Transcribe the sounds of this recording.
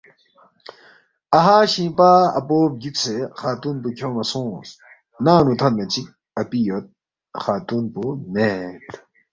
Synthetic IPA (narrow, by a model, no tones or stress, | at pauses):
ɐɦaːɕĩːpaːɐ̰poːp̚ɡit̪sexaːt̪uːnpukʰoːmɐsõːs | naːnut̪ʰɐnnɐt͡ɕik | ɐpijot̪̚ | xaːt̪uːnpuneːt̪